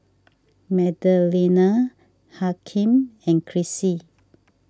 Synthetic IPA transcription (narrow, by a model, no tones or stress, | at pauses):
mɛdəlina | hakʰĩmɛ̃nkʰɹisi